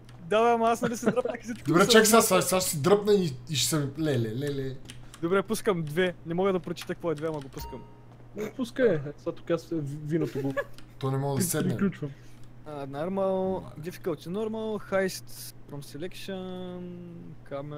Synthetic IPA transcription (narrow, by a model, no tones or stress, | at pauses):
d̪ad̪aːmɐasnɐlisɛd̪ɾəpnəxi̥sit͡ʃkd̪obɾɛt͡ʃaksasaʃsaʃsid̪ɾɤpnəiiʃsɐmilɛlɛlɛlɛd̪obɾɛpuskəmd̪vɛnɛmɔɡəd̪ɐpɾot͡ʃi̥t̪əkɐkvɔɛd̪vɛamɐɡopuskəm | nɛpuskəɛzat̪o̥kasvinət̪oɡt̪ɔnɛmɔɡəd̪sɛɾɛklʲut͡ʃvɐm | ənaɾmɐlˠd̪ifi̥kəlˠt̪inɔɾmɐlˠxajst̪pɾɔmsɛlɛkʃənnkamɛ